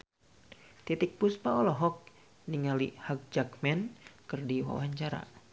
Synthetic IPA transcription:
t̪it̪ik̚puspaɔlɔɦɔk̚ | niŋalihak̚d͡ʒakmɛnkɨrdiwa̰waɲt͡ʃaɾa̰

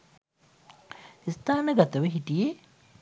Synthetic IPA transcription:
ist̪aːnəɡat̪əʋəɦiʈije

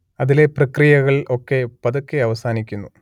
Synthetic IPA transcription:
ɐðile̞prɐkrijɐɣɐɭʔo̞kːe̞pɐðukːeɐʋɐsaːnikʲːunːu

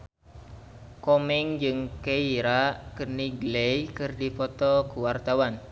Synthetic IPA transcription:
komɛŋd͡ʒɨŋkeiɾakərniɡlejkɨrdipɔt̪ɔkuwart̪awan

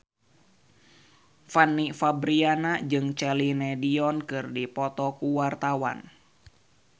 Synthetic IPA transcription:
fanːifabɾianad͡ʒɨŋt͡ʃɛlinɛdiɔnkɨrdipɔt̪ɔkuwart̪awa̰n

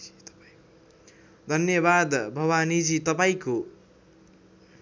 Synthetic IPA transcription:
d̪ʱʌnjʌbad̪bʱʌwanid͡zit̪ʌpaĩko

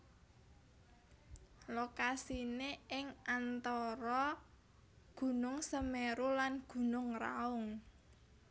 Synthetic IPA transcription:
lokasineɪŋʔant̪ɔɾɔ | ɡ̥ṳnʊŋsəmeɾulanɡ̥ṳnʊŋra̰ʊŋ

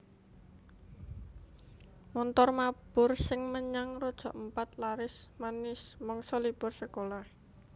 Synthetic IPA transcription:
mɔnt̪ɔrmab̥ʊrsɪŋməɲaŋrod̥ʒ̥ɔ̤̰ʔəmpat̪laɾɪsmanɪsmɔŋsɔlipʊrsəkolah

